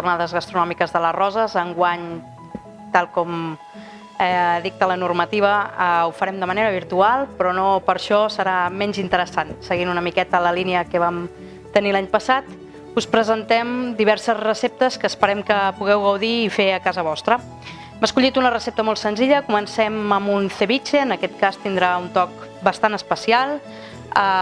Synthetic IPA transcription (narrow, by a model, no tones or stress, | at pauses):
ʒurnaðəzɣəst̪ɾunɔmikəzðələrɔzəzəŋɡwaɲ | t̪alˠkɔm | ðik̚t̪ələnurmət̪iβ̞əəufəɾɛmd̪əməneɾəβ̞iɾt̪ualˠpɾɔnopəɾʃɔsəɾamɛnzint̪əɾəsansəɣinunəmikɛt̪ələliniəkəβ̞am | t̪ənilaɲpəsat̪ | uspɾəzənt̪ɛmd̪iβɛɾsəzrəsep̚t̪əskəːspəɾɛmkəpuɣɛwɣəwðiːfeəkazəβ̞ɔst̪ɾə | mbəskuʎit̪unərəsep̚t̪əmɔlˠt̪sənziʎəkumənsɛməmunθeβit͡ʃeənəkɛt̪̚kast̪ind̪ɾaunt̪ɔk̚ | bəst̪anəspəsialˠ | ə